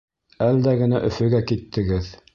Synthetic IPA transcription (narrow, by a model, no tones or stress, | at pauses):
æld̪æɡɘ̆næʔɵ̆fɵ̆ɡækit̪ːɘ̆ɡɘð